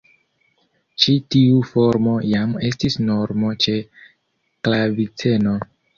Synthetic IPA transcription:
t͡ʃitiufo̞ɾmo̞jame̞stisnoɾmo̞t͡ʃe̞ | klavit͡se̞no

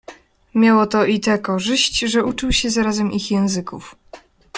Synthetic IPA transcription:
mʲjawɔt̪ɔʔit̪ɛkɔʐɘɕt͡ɕʐɛut͡ʂɘwɕɛzaɾazɛmʔixjɛ̃w̃zɘkṵf

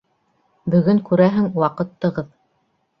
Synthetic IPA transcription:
bɵ̆ɡɵŋkʉɾæɦɘŋwɑqɤ̆t̪ːɤ̆ʁɤð

